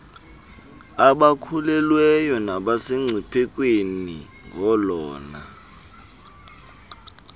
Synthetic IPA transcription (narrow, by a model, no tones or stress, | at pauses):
aɓakʰulɛlwɛjɔnaɓaseŋ͡ǀʱipʰɛk̬ʼweni | ŋɔlɔːna̰